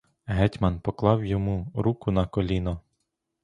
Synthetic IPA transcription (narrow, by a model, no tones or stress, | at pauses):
ɦɛtʲmɐnpɔklˠɑwjɔmuɾukʊnɐkɔlʲinɔ